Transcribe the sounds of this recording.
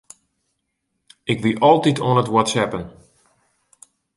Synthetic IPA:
ɪkʋiʔɔlˠtitʰonətwɔtsɛpən

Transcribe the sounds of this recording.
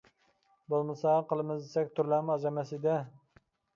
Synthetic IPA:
bolˠmɨsɑqʰəlˠɨmɨzd̪esɛk̚ʲt̪ʰuɾlæmɑʒɑmɛsɪd̪ɛ

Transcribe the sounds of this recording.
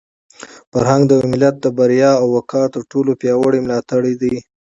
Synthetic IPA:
faɾɦaŋɡd̪əmɪlat̪̚d̪əbaɾjɑawːakʰɑt̪əɾʈolopjɑwəɽimlɑt̪aɽid̪i

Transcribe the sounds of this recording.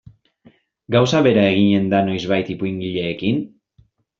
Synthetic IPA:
ɡawsaβe̞ɾaeɣ̞iɲe̞nd̪ano̞jzβajt̪ipuiŋɡiʎe̞ːkin

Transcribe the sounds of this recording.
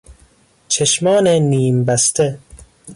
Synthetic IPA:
t͡ʃʰeʃmɒːneniːmbæst̪ʰe

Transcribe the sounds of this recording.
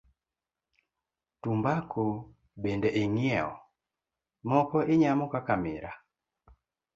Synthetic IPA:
tumbakʰo | bendɛʔeŋɪɛɔ̰ | mɔkɔʔɪɲamɔkakamɪɾa

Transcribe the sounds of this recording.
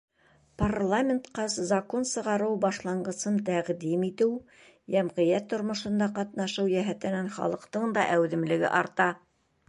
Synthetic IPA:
parlˠamʲent̪qɑszɐko̞nsɤ̆ʁɑɾɤwbɑʃlˠɑɴɢɤ̆sɤnt̪æʁd̪imit̪ɘw | jæmʁɤ̆jæt̪ʰːŏɾmŏʃŏnd̪ɑqɑt̪nɑʃɤwjæɦæt̪ɘ̆nænχɑ̰lˠɤ̆qt̪ɤɴd̪ɑʔæwðɘ̆mlɘ̆ɡɘ̰ʔɑɾt̪ɑ

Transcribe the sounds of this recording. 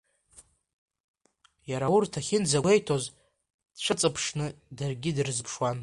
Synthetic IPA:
jaɾaurtʰaχʲɪnd͡zae̞jtʰoz | dʈ͡ʂʷʰɨt͡sʼɨpʰʂnɨdarɡʲɪdrɨzpʰʂwan

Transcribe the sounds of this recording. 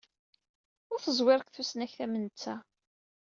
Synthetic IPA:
ʊɾθəzˤwɪɾəkθusnæçθæmənət͡sːæ

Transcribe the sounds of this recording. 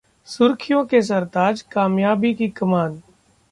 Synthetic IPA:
sʊɾkʰɪjõkes̬ɐɾt̪aːd͡ʒkaːmjaːbikikɐmaːn

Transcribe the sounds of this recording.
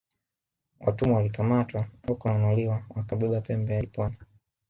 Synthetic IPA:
wʔa̰tumuwalikamatwaɔkanɔliwawakaɓɛɓapɛmbɛaipɔna

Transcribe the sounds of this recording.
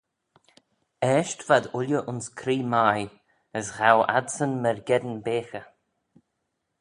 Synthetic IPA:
ɛːʃtv̥ad̪ʊljəʔʊnskʰɾiːmaj | əsɣawa̰dsənməɹɡɛd̪ənbeːxə

